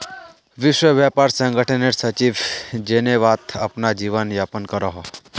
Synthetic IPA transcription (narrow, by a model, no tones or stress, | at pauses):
ʋɪʃwəʋjapaɾsə̃ŋɡəʈʰəneʈsət͡ʃiʋd͡ʒeneʋat̪əpnad͡ʒiʋənjapənkəɾɔɦo